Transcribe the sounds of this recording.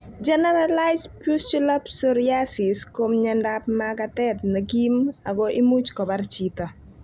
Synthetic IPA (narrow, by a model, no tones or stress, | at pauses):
d͡ʒɛnɛɾalaɪspust͡ʃulapsoɾiasɪskomɲandap̚maɡatɛtnɐɡimaɡɔʔimut͡ʃkɔbaɾt͡ʃita